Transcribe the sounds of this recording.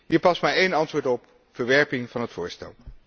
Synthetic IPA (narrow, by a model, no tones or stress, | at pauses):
ɦiːɹpɑsmaɹejnɑntʋoːɹtɔp | fəɹʋɛɹpɪŋvɑnɦətfʊːɹstɛ̰lˠ